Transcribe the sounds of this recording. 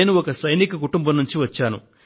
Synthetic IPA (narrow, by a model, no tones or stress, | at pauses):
nuɔkɐsɐjnikɐk̬uʈumbɐmnuɲt͡ʃiʋɐt͡ʃːaːnṵ